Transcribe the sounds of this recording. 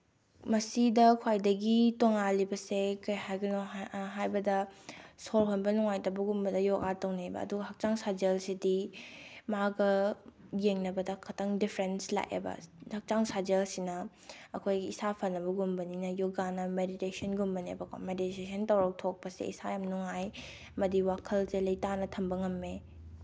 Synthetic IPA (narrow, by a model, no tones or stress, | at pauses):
mɐsidɐkʰwajdɐɡitoŋalibɐsekɐjhajɡɐnoɦajbɐdɐsolɦonbɐnuŋajtɐbɐɡumbɐdɐjoɡatɐwnebɐ̰ːduɡɐhɐk̚t͡ʃaŋsad͡ʒelsidi | maɡɐjeŋnɐbɐdɐkʰɐtʰɐŋdipʰɾensla̰ʔḛbɐ̰hɐk̚t͡ʃaŋsad͡ʒelsinɐ | ɐkʰojɡiisapʰɐnːɐbɐɡumbɐninɐjoɡanɐmeditesɐnɡumbɐnḛbɐkʰo̰meditesʰɐntɐwɾɐk̚tʰok̚pɐsḛḭsajamnuŋaj | ɐmɐdiwakʰɐlzelɐjtanɐtʰɐmbɐŋɐmːe